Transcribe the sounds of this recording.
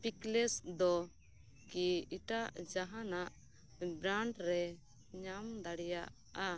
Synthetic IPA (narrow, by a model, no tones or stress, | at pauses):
piklɛsd̪ɔ | kiiʈaʔd͡ʒaɦanaʔ | bɾaɳɖɾɛ | ɲamd̪aɽɛjaʔ | a